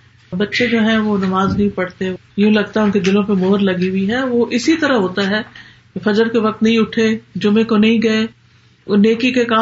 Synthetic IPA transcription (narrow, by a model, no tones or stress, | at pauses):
bɐtːʃed͡ʒoːɦɛ̃ʋonɐmaːznɐɦĩpɐɽt̪e | jũlɐɡ̚t̪aɦɛʊnked̪ɪlõpemoːɾlɐɡiʊiɦɛʋoʔɪsit̪ɐɾəɦoːt̪aɦɛː | kefɐd͡ʒəɾkeʋɐk̚t̪nɐɦĩʊʈʰed͡ʒʊmẽkonɐɦĩɡɐe | neːkikekaː